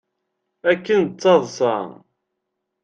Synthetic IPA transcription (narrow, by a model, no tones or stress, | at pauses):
ækːənt͡sːɑðˤsɑ̰